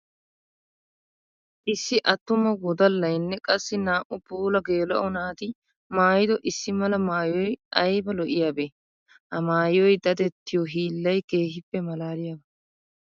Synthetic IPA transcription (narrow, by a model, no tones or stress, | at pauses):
ʔɪsːɪʔɐt̪ːʊmɐwɔd̪ɐlːɐjnːɛkʼɐsːɪnaːʔʊpuːlɐɡeːlɐ̰ʔɔnaːt̪ɪ | maːjɪd̪ɔʔɪsːɪmɐlɐmaːjɔjʔɐjbɐlɔʔɪjaːbeː | ʔɐmaːjɔjd̪ɐd̪ɛt̪ːɪjɔɦiːlːɐjke̞ːɦɪpːɛmɐlaːɾɪjabɐ